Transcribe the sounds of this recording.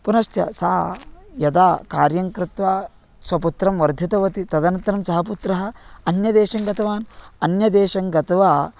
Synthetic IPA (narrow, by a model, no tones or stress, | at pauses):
punɐʃt̪jɐ̰saːjɐd̪aːkaːɾjɐŋkɾɪt̪ʋaː | sʋɐput̪ɾɐmʋɐɾd̪ʱit̪ɐʋɐt̪it̪ɐd̪ɐnɐnt̪ːɐɾɐmsɐɦɐp̬ut̪ɾɐɦɐ̆ɐnjɐd̪eːʃɐŋɡɐt̪ɐʋaːnɐnjɐd̪eːʃɐŋɡɐt̪ɐʋaː